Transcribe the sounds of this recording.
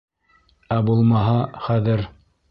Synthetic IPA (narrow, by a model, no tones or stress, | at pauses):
æbulˠmɑɦɑχæðɘɾ